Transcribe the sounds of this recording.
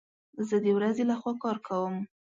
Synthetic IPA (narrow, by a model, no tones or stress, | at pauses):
zəd̪əwɾazelaxwɑkɑɾkʰawəm